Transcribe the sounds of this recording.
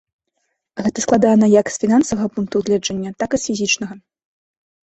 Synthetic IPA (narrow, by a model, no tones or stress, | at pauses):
ɣɛt̪ɐsklˠad̪anɐjɐksfʲinansɐvɐɣɐpunk̚t̪uɣlʲɛd͡ʐɐnʲːɐt̪akisfʲizʲit͡ʂnɐɣɐ